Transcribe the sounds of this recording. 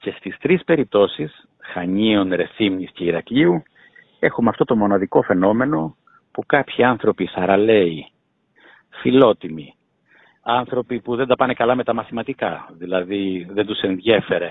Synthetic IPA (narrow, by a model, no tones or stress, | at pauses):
ce̞st̪ist̪ɾispe̞ɾip̚t̪o̞sis | xɐɲionɾe̞θimɲisce̞iɾɐkʎiu | e̞xumɐft̪o̞t̪o̞mo̞nɐðiko̞fe̞no̞me̞no̞ | pukɐpçiɐnθɾo̞pisɐɾɐle̞i | filo̞t̪imi | ɐnθɾo̞pipuðe̞nd̪ɐpɐne̞kɐlɐme̞t̪ɐmɐθimɐt̪ikɐðilɐðiðe̞nd̪use̞nðʝe̞fe̞ɾe̞